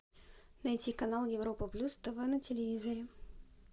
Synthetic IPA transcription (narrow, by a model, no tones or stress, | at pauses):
nɐjtʲikɐnalˠjɪvɾopəplʲust̪əvənətʲɪlʲɪvʲizɐɾʲɪ